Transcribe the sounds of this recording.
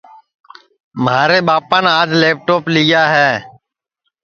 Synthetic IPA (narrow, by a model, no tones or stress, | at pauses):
mɦaːɾeːɓaːpaːnaːd͡ʒleːp̚ʈoːplɪjaːɦɛː